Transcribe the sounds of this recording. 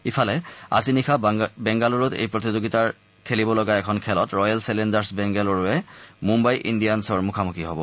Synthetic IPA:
ipʰalɛa̰zinikʰabɛŋɡaluɹʊtḛjpɹot̪izoɡitaɹ | kʰelibɔlɔɡaɛkʰɔnkʰɛlɔtɹɔjalsɛlɛndaɹsbɛŋɡɛlɔɹʊɛmumbajʔḭndijansɔɹmukʰamukiɦobɔ̰

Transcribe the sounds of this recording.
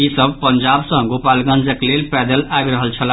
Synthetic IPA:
isəb̚ʱpənd͡ʒabsə̃ɡopalɡənd͡ʒəklelpɛd̪əlabɾəɦəlt͡ʃʰəla

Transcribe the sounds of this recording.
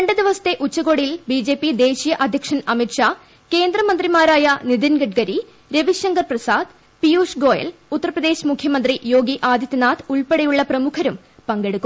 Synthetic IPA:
ɾeɳɖɨd̪iʋɐsɐ̥t̪ːe̞ʔut͡ɕːɐɣo̞ːɽijilbiːd͡ʑe̞ːpːid̪e̞ːɕijɐʔɐd̪ʱjɐkʂɐnɐmiʈʂaː | ke̞ːnd̪rɐmɐnd̪rimaːɾaːjɐnid̪inɡɐʈ̚ɡɐɾi | ɾeʋiɕjɐŋɡɐrprɐsaːd̪ | pijuːʂɡo̞ːjɐ̰lut̪ːɐrɐprɐd̪e̞ːɕmukʰjɐmɐnd̪rijo̞ːɡiʔaːd̪ʱjɐt̪ːɐnaːt̪uɭpeɽɐjuɭːɐprɐmukʰɐɾum | pɐŋɡe̞ɽukːu

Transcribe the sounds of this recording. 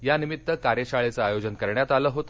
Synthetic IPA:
janimit̪ːəkaɾjəɕaɭet͡səajod͡ʑənkəɾɳjat̪aləːɦot̪

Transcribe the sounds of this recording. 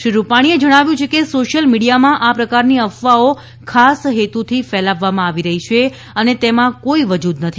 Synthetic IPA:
ʃɾupaɽ̃ied͡ʒəɽ̃aʋjũt͡ʃʰekesoʃəlmiɽijamãʔapɾəkaɾniəfʋao | kʰasɦet̪ut̪ʰifɛlaʋːamãaʋiɾəɦit͡ʃʰe | ənet̪emãkoiʋəd͡ʒud̪nət̪ʰi

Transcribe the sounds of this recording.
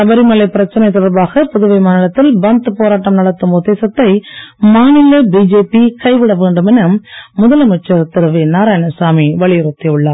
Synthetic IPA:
sɐbɐɾimɐlɐɪpːɪɾɐt͡ʃːɐnɐɪt̪ːɔɽɐɾbaːɣɐpʊðɯʋɐɪmaːnɪlɐt̪ːɪlbɐnt̪ɯpoːɾaːʈːɐmnɐɽɐt̪ːɯmʊðeːsɐt̪ːɐɪmaːnɪlɐbid͡ʒeːpikɐɪʋɪɽɐʋeːɳɖɯmɛnɐmːʊðɐlɐmʊt͡ʃːɐɾt̪ːɪɾɯʋinaːɾaːjnɐsaːmiʋɐɭɪjɪɾɯt̪ːɪɯɭːaː

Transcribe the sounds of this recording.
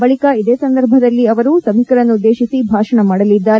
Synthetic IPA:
bɐɭikɐid̪eːsɐnd̪ɐɾbʱɐd̪ɐlːiɐʋɐɾuːsɐbʱikɐɾɐnːud̪ːe̞ːʃisibʱaːʃɐɳɐmaːɽɐlid̪ːaːɾe

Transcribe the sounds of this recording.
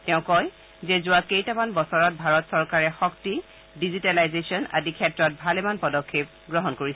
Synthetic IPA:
tɛʊ̃kɔj | zɛzʊwakejtamanbɔsɔɹɔt̚bʱaɹɔtsɔɹkaɹɛxɔkti | dizitalajzesiɔna̰dikʰɛtɹɔt̚bʱalɛmanpɔdɔkʰːep̚ɡɹɔɦɔnkoɹisɛ

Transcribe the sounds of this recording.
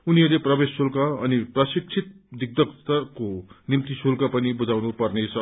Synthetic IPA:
uniʌrleprʌbesːulkaʌniprʌsik̚t͡sʰit̪̚ | d̪ik̚d̪ʌkt̪ʌrkonimt̪isulkapʌnibud͡zawnupʌrnet͡sʰʌ

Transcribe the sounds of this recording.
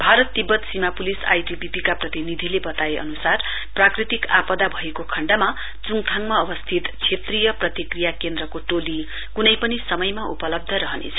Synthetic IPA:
bʱaɾʌt̪ːibːʌt̪simapulisa̰jʈipipikaprʌt̪inid̪ʱilebʌt̪aeʔʌ̰nusar | prakrit̪ika̰pʌd̪abʱʌekokʰʌɳɖʌma | t͡suŋt̪ʰaŋmaʌbʌst̪ʰit̪t͡sʰet̪rijʌprʌt̪ikrijakend̪rʌkoʈoli | kunʌjpʌnisʌmʌjmaṵpʌlʌb̚d̪ʱʌɾʌɦʌnḛt͡sʰʌ

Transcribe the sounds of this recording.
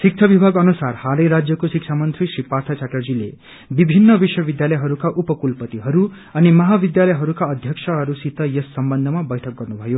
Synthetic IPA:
sik̚t͡ʃʰʌbibʱaɡʌnusarhalʌjɾad͡zjʌkosik̚t͡ʃʰamʌnt̪ɾisɾipart̪ʰat͡ʃʰaʈʌrd͡zilḛ | bibʱinːʌbiswʌbid̪jalʌjɦʌɾukaʔupʌkulpʌt̪iɦʌɾu | ʌnimʌɦabid̪jalʌjɦʌɾukaʌd̪ʱjʌksʰʌɦʌɾusit̪ʌjesːʌmbʌnd̪ʱʌmabʌjʈʰʌk̚ɡʌrnubʱʌjo

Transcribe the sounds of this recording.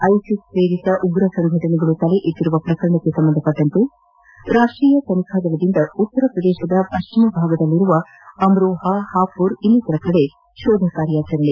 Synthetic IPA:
ɐjsisɾeːɾit̪ɐʔuɡɾɐsɐŋɡʱɐʈɐɳɛɡɐɭut̪ɐle̞ʔet̪ːiɾuʋɐpɾɐkɐɾɐɳɐkːesɐmbɐnd̪ʱɐpːɐʈːɐnt̪e | ɾaːʂʈɾiːjɐt̪ɐnikʰaːd̪ɐlɐd̪ind̪ɐut̪ːɐɾɐpɾɐd̪ɛːʃɐd̪ɐpɐʃt͡ʃimɐbʱaːɡɐd̪ɐlːiɾuʋɐ | ɐmɾoːɦɐhaːpuɾinːit̪ɐɾɐkɐɽe̞ | ʃoːd̪ʱɐkaːɾjaːt͡ʃɐɾɐɭe

